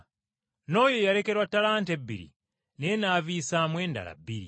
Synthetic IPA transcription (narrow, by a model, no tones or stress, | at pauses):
no̞ːjojaɾe̞ke̞ɾwatːalaːntebːḭɾḭ | nenaːviːsamwe̞ːnda̰la̰bːiɾḭ